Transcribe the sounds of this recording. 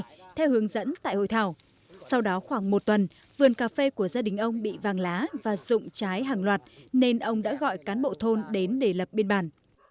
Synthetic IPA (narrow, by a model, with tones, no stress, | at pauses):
t̪ʰɛ˧whɨ˨˦əŋzə̰˧˥nt̪a̰ː˧˨jho̰˧˨jt̪ʰaː˧˩w | sa˧wɗɔ˨˦xwaː˧˩ŋmo˨˩t̚t̪wə˨˩n | vɨ˨˩ənkaː˧˩fe˧ku˧˩əzaː˧ɗï˨˩ŋ̟ʔə˧wŋ͡mɓḭ˧˨vaː˨˩ŋlaː˨˦vaː˨˩zʊ̰˧˨ŋ͡mt͡ɕaː˨˦jɦaː˧˩ŋlwaː˨˩t̚ne˧nʔə˧wŋ͡mɗa̰ː˧˥ɣɔ̰˧˨jkaː˨˦nɓo̰˧˨t̪ʰo˧nɗe˨˦nɗe˧˩lə˨˩p̚ɓi˧nɓaː˨˩n